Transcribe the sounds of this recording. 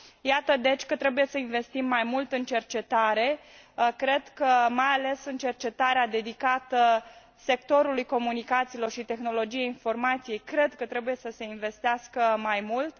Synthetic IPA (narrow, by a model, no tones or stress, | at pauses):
jat̪əd̪e̞t͡ʃʲkət̪ɾe̞buje̞səinve̞st̪imːajmult̪ɨnt͡ʃe̞rt͡ʃe̞t̪aɾe̞kɾe̞d̪kəmajale̞sɨnt͡ʃe̞rt͡ʃe̞t̪aɾead̪e̞d̪ikat̪ə | se̞kt̪o̞ɾulujko̞munikat̪silo̞rʃit̪e̞xno̞lo̞d͡ʒijeinfo̞rmat̪sije̞jkɾe̞d̪kət̪ɾe̞buje̞səse̞inve̞st̪easkəmajmult̪